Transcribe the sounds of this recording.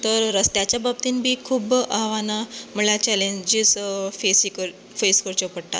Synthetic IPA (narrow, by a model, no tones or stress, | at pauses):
t̪əɾːəst̪jat͡ɕjabab̚t̪iːnbʱiːkʰuːbaʋanam̤əɭat͡ɕɛleɲd͡ʑisfesikəɾ | feskəɾt͡ɕəpəɽʈ̪a̰t̪